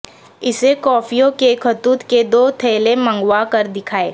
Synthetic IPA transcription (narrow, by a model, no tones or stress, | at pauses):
ɪsekɔːfʰijõkekʰət̪uːt̪ked̪oːt̪ʰeːlemə̃ŋɡwakɐɾd̪ɪkʰaːeː